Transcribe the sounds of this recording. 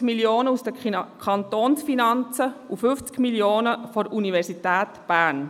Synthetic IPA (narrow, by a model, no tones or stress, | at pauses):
miljoːnəusd̥əkʰɑnt̪oːnsfinɑnt͡səufʏft͡skmiljoːnəfɔɾʔunivɛɾsitæːtb̥æːn